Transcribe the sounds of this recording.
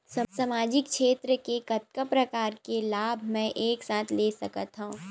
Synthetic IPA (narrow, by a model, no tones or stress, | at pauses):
ssɐmaːd͡ʒɪk̚ʃeːt̪ɾəkekɐt̪̚kəpɾɐkaːɾkelaːbʱmɛ̃ʔeːksaːt̪ʰleːsɐkət̪ɦũː